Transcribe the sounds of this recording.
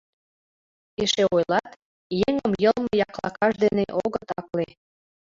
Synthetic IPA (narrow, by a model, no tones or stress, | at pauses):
eʃeojlɑt̪ | jeŋəmjəlmə̆jɑklɑkɑʃd̪eneʔoɣət̪ɑkle